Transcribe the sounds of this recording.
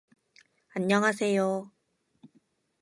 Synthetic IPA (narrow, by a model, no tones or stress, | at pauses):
anːjʌŋɦasʰejo